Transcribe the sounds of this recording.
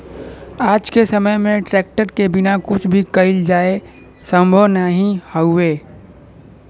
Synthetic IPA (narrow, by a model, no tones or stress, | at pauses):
aːd͡ʒkesəməjmẽʈɾɛːk̚ʈəɾkebɪnakʊt͡ʃʰbʱikəɪld͡ʒaːe | sə̃mbʱəʋnaɦĩhəʊeː